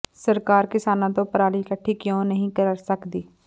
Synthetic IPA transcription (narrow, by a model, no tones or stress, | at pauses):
səɾkaːɾkɪsaːnãːt̪õːpəɾaːliːkəʈʰːiːkjõːnəɦĩːkəɾsəkd̪iː